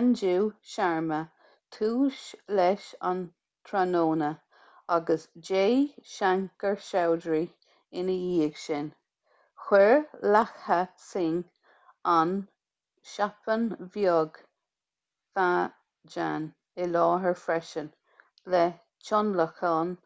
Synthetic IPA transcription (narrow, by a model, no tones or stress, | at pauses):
and͡ʒuwʃaɹmə | t̪ʰuːʃlɛʃa̰n | t̪ʰɾanoːnə | aɡəsd͡ʒeːʃaŋkəɹʃawdɹi | ɪnəiːəɡʃɪn | xwɛɹlaxhəsɪŋ | an | ʃapənvjɔɡ | fa | d͡ʒa̰n | ɪlɑːɦəɹfɾɛʃən | lɛ | t͡ʃʰɔnləxɑn